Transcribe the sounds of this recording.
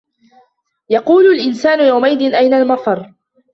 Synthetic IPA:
jɑquːlʊlʔɪnsaːnʊjawmaʔɪd̪ɪnʔajnalmɑfˤɑɾˤ

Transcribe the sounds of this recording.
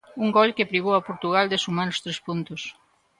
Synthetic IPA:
uŋɡɔlkepɾiɣoapoɾt̪uɣald̪esumanʊst̪ɾespunt̪ʊs

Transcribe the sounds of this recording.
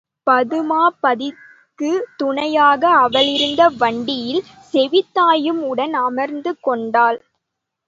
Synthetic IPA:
pɐðɯmaːpɐðɪ | kːɯt̪ʊɳɐjaːɣɐɐʋɐlɪɾɯnd̪ɐʋɐɳɖɪjɪl | sɛʋɪt̪ːaːjɯmʊɽɐnɐmɐɾnd̪ɯkːɔɳɖaːl

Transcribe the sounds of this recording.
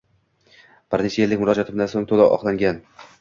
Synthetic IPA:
b̥ɪɾnɪt͡ʃʰajelːɪkʲmʊɾɒd͡ʒɒt̪ʰɪmd̪ansoŋt̪ʰolaʔɒ̰χlˠaŋɡʲan

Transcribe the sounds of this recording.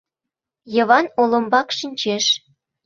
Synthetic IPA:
jɤ̆βɑnolɤ̆mbɑkʃinʲt͡ɕeʃ

